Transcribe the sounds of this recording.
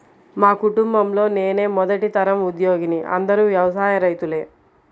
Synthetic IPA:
maːkuʈumbɐmlo̞ːne̞ːne̞ːmɔd̪ɐʈit̪ɐɾɐmud̪jo̞ːɡiniʔɐ̰nd̪ɐɾuːʋjɐʋɐsaːjɐɾɐjt̪ule̞ː

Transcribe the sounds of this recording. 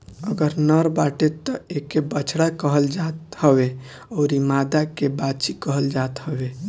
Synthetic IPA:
əɡəɾnəɾbaʈet̪ːɔekebət͡ʃʰɽakəɦəld͡ʒat̪həbe | ɔːɾimad̪akebat͡ʃikəɦəld͡ʒat̪həbe

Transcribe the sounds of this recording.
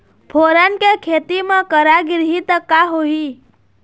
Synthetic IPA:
pʰoːɾankekʰet̪imãkəɾaɡɪɾɦit̪əkːaɦoɦi

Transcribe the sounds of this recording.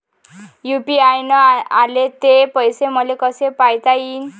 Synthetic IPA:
jupiajnɔalet̪epəjseməlekəsepajt̪aiːn

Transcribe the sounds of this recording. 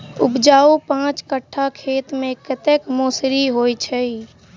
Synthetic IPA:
ʊpd͡ʒaːupãːt͡ʃkəʈʰːakʰeːt̪mẽkɪt̪ekmoːsɾiɦoit͡ʃʰɛi

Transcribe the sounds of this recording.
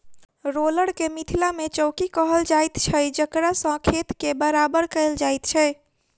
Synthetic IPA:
ɾoləɽkemit̪ʰilamet͡ʃəwkikəɦəld͡ʒajt̪t͡ʃʰɛd͡ʒəkɾasə̃kʰet̪kebəɾabəɾkəɪld͡ʒajt̪t͡ʃʰɛ

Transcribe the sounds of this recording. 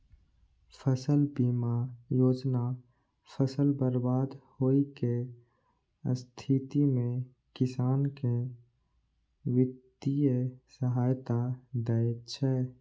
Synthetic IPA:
pʰəsəlbiːmajoːd͡ʒna | pʰəsəlbəɾbaːd̪hoːike | st̪ʰit̪imẽ | kɪsaːnke | wɪt̪ijesəɦaːjt̪ad̪əjt͡ʃʰɛː

